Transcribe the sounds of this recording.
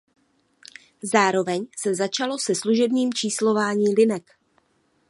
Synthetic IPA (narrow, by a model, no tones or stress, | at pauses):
zaːɾo̞vɛɲsɛzat͡ʃalo̞sɛsluʒɛbɲiːmt͡ʃiːslo̞vaːɲiːlɪnɛk